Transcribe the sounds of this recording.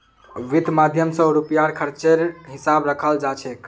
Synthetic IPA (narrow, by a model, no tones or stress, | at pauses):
ʋid̪ʱmad̪ʱjəmsə̃ɾupjaɾkʰəɾt͡ʃeɾɦisabɾəkʰəld͡ʒat͡ʃʰɛk